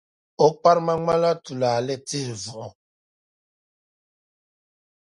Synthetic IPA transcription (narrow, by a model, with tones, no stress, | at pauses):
o˦k͡pa˦ɾma˦ŋa˦la˦tu˨la˨lɛ˦ti˦hvu˨ʔɔ˨